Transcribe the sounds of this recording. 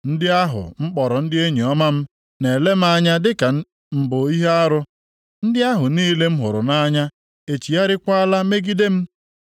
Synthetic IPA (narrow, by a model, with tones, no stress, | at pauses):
n̩˦dɪ˦a˦ɦʊ̰˨ŋ͡m̩˦k͡pɔ˨ɾɔ˨n̩˦dɪ˦e˦ɲi˨ɔ˦ma˦m̩˦ | ne˨le˦m̩˦a˦ɲa˦dɪ˦ka˨ | m̩˨bo˨i˦ɦe˦a˦ɾʊ˦ | n̩˦dɪ˦a˦ɦʊ˨niː˦le˦m̩˦ɦʊ˨ɾʊ˨na˦ɲa˦ | e˨t͡ʃi˨a˦ɾɪ˦kʷa˦la˦me˦ɡi˦de˦m̩˦